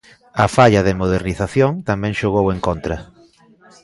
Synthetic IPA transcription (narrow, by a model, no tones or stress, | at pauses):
ɐfaʎɐðemoð̞eɾniθaθjoŋt̪amɛ̃ŋʃoɣ̞oweŋkont̪ɾɐ